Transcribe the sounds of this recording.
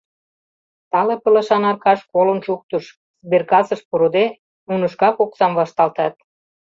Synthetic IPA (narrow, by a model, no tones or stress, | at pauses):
t̪ɑlepə̆lə̆ʃɑnɑrkɑʃkolənʃuk̚t̪əʃ | sberkɑsɤ̆ʃpuɾod̪e | unə̆ʃkɑkoksɑmβɑʃt̪ɑlt̪ɑt̪̚